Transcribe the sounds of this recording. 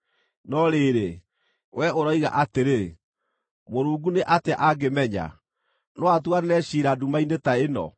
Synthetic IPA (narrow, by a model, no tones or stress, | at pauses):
nɔɾeːɾe | wʔɛoɾɔiɣa̰ʔateɾe | moɾuːɡuneʔateʔaɡemɛɲa̰ | noatuanenɛɕiːɾadumainetaenɔ̰